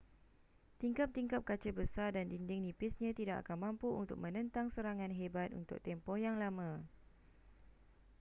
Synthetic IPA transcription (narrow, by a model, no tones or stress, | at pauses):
t̪iŋkap̚t̪iŋkap̚kat͡ʃəbəsardandindɪŋnĩpɪsɲãt̪idaʔa̰kanmãmpuṵnt̪ʊk̚mə̃nə̃nt̪aŋsəɾaŋãnɦebat̪̚ṵnt̪ʊ̰k̚t̪ɛmpɔhjaŋlamã